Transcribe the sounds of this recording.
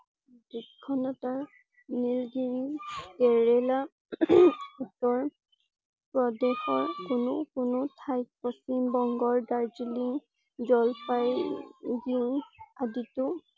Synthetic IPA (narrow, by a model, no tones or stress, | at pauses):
dikkʰːɔnɔtaɹ | nilɡeɹiɡɛɹɛla | utɔɹ | pɹɔdɛxɔɹkʊnʊkʊnʊtʰajk̚pɔsimbɔŋɡɔɹdaɹd͡ʒiliŋ | zɔlpajdiʊ̃aditʊ